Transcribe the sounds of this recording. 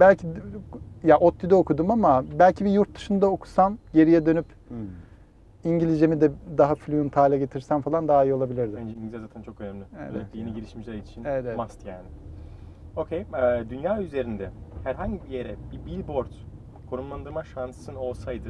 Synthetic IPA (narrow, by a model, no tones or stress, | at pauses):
bælʲcʰi | jaʔo̞t̪ʰːid̪aokʰud̪umamabælʲcʰibijuɾt̪̚d̪ɯʃɯnd̪aokʰu̥samɟe̞ɾijɛd̪ø̞nyp | iɲɟilʲizd͡ʒemid̪ɛd̪aɦaflʲyjunt̪ʰaːlʲɛɟe̞t̪ʰiɾsænfalˠand̪aːijɯolˠabilʲiɾd̪ɪnd͡ʒɛiɲizʲɛzaːt̪ʰænt͡ʃʰo̞kønɛmlʲiɛ̰jeniɟiɾiʃmiʃlʲɛɾit͡ʃʰinevɛt̪ɛɛmast̪jaːnɪ | o̞cʰejɛːd̪ynjaːyze̞ɾind̪ɛhæɾɦaɲɟibijeɾɛbibilʲboɾt̪ | kʰo̞ɾumlˠand̪ɯmaʃansɯno̞lˠsajd̪ɯ